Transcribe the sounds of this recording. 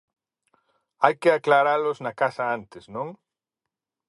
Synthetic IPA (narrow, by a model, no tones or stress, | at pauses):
ajkɪaklaɾalʊznɐkasɐant̪ɪsnõŋ